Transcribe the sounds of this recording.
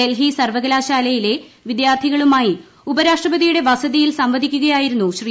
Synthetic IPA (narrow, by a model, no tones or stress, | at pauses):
elɦisɐrʋɐɣɐlaːɕaːlɐjile̞ʋid̪jaːrt̪ʰiɣɐɭumaːji | ubɐɾaːʂʈrɐbɐd̪ijuɽe̞ʋɐsɐðijilsɐmʋɐd̪ʱikʲːuɣɐjaːjiɾunːuɕri